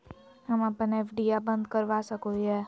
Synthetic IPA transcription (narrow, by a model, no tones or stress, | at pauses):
əmãpəɳefɖiabənd̪kəɾʋaʃəkut͡ʃe